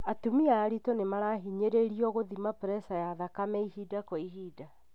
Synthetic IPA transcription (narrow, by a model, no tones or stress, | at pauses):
atumiaːɾitonemaɾaɦiɲeɾeɾiɔɣoðimapɾɛsajaðakamɛihidakoiɦida